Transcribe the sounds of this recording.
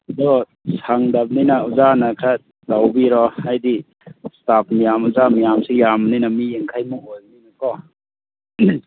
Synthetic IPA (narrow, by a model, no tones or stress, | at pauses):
dɔ | saŋdap̚ninauzanakʰa | dawbiɾɔajdi | stap̚mijamuzamijamsejamninamijeŋkʰajmɔŋojninakɔ